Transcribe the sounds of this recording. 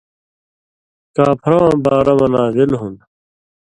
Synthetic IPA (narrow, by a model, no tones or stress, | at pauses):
kaːpʰɾãbaːɾɐmɐnaːzilɦun